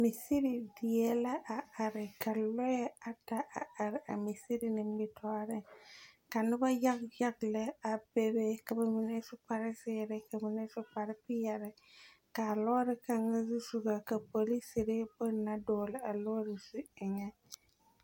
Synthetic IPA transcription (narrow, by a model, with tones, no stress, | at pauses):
mi˨si˦ɾi˨di˨je˦la˦ʔa˨a˨ɾɪ˨ka˨lɔ˦jɛ˦a˨ta˦ʔa˨a˨ɾɪ˨ʔa̰˨mi˨si˦ɾi˨nɪ˨mɪ˦tʰɔ˦a˦ɾɪ˦ka˨nɪ˦ba˦ja˦kja˦ɡlɛ˦a˨be˦be˦ka˨ba˨mi˨nɛ˦sʊ˦pa˨ɾɪ˦sɪː˦ɾɪ˦ka˨mɪ˨nɛ˦sʊ˦pa˨ɾɪ˦pɪ˦jɛ˨ɾɛ˦ | ka˨lɔ˦ɾɪ˦ka˦ŋa˦zu˦su˨ɡa˨ka˨po˨li˦si˨ɾɪ˦bʊ˦˨na˦dɔː˨lɪ˨a˨lɔ˦ɾɪ˨su˦ɪ˨ŋɛ˦